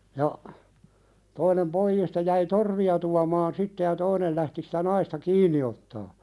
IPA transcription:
jɑ toinem poijiːstɑ jæi torʋiɑ tuɑmɑːn sitːe jɑ toinel læhti si̥tæ nɑistɑ kiːnˑi otːɑː

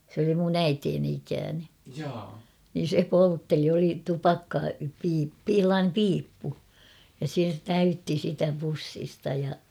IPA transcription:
sĕ oli mun æiteːni ikæːne niːn̞ se poltːeli oli tupɑkːɑpiː pi h̞elːɑːnem piːpːu jɑ se tæytːi sitæ pusːistɑ jɑ

